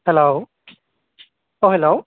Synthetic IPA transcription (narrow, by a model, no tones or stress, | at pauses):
hɛloʊ | oɦɛloʊ